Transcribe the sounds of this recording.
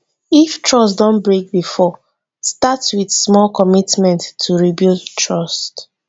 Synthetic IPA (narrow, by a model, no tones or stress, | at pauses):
iftɹɔstdɔ̃nbɹek̚bifɔ | statwiðsmɔlkɔmitmɛ̃ntʰːuɹibultʰɹɔst